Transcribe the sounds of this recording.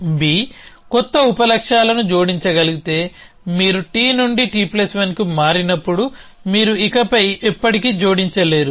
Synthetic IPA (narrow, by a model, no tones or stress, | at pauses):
biː | kɔt̪ːɐupɐlɐkʂaːlɐnud͡ʒo̞ːɽiɲt͡ʃɐɡɐliɡit̪e̞ː | miːɾuʈiːnuɳɖiʈiːplɐsʋɐnkimaːɾinɐpːuɽu | miːɾuikɐpɐjɛpːɐʈikiːd͡ʒo̞ːɽiɲt͡ʃɐle̞ːɾu